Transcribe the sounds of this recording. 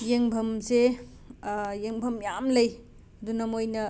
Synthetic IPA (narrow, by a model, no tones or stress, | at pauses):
jeŋbʱɐmse | jeŋbʱɐmjamlɐj | ɐd̪unɐmojnɐ